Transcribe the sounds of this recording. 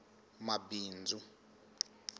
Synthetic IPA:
mabiːnd͡zʱu

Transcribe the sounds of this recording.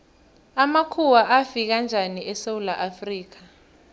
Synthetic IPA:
amakʰuwaʔafik̬and͡ʒʱaniɛsewulaʔafriːk̬ḁ

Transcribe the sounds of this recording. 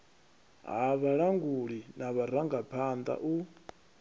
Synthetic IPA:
ɦaβaɺaŋɡuɺinaβaɾaŋɡapʰand̪a̰ʔu

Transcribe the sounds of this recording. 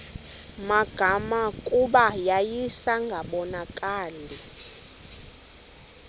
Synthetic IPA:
maɡ̥ʱamakʼuɓajajisaŋɡʱaɓɔnakʼaːli

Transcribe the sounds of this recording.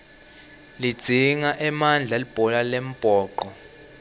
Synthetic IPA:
lid̥z̥ʱiŋaʔɛmand͡ɮʱalib̥ʱɔlalem̩b̥ʱʼɔːǃɔ

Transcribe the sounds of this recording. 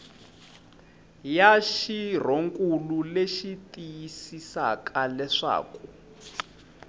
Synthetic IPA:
jaʃir̤oŋkʼululeʃitʼijisisa̰kʰʼalɛʂa̰ːku

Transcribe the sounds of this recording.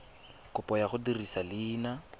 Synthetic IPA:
kʊpʼɔjaχʊdirisalɪːna

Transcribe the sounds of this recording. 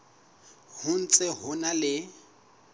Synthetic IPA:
hʊn̩t͡sʼɪɦʊnalɪ

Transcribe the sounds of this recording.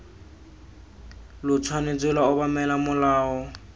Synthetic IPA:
lʊt͡sʰwanet͡selaʊbamɛlamʊlaːɔ

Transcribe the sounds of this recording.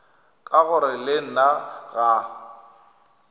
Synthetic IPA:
kʼaɣʊɾɪleŋ̩naɣa

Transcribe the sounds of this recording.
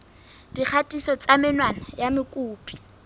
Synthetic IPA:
d̥ik͡xʰatʼisɔt͡sʼamɪnwanajamɪkʼuːpʼi̥

